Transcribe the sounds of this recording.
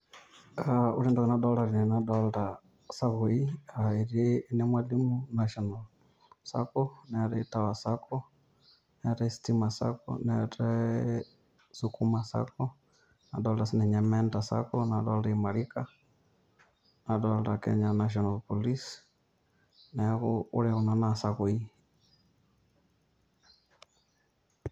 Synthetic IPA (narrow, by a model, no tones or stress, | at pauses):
auɾindɔkɛnadɔlaɾinɛnadɔlda | saɣuiaiɾeːnɛmwalimunaʃɔnal | sa̰kɔnɛɾɛitawasakɔ | nɛɾɛsi̥timasa̰kɔ̰nɛɾɛ | sukumasa̰kɔ | nadɔlasnɛɲamɛntasa̰kɔnadɔlɾɛmaɾika | nadɔlɾakɛ̰ɲanaʃ̬ɔnalpɔlis | nɛɣuṵɾɛɣunanasakui